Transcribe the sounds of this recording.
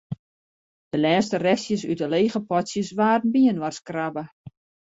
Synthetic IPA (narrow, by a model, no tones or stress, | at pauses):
d̥əlɛːstərɛsjəsytəleːɣəpɔtsjəsʋaːrn̩biənwarskrabə